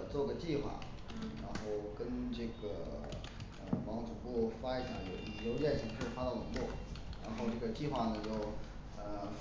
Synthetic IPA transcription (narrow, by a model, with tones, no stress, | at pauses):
t͡swɔ˥˩ɡə˩t͡ɕi˥˧xwa̰˥˩ | ɻa˧˥nxo˥˩ʊkə˥nʈ͡ʂɤ˥˩ɡə˩ | ə̰˧˩wɑ˧˥ŋʈ͡ʂu˨˩pu˥˩fa˥i˧˥ɕja̰˧˩jo˨˩ʊi˨˩ljo˧˥ʊt͡ɕɛ˥˩ɕʰi˧˥ŋʂɻ̩˥˩fa˥d̪ɑ˥˩lʊ˧˥ŋlwɔ˥˩ɻa˧˥nxo˥˧ʊʈ͡ʂɤ˥˩ɡə˩t͡ɕi˥˧xwa˥˩nə˩t͡ɕjo˥˩ʊ | ə˧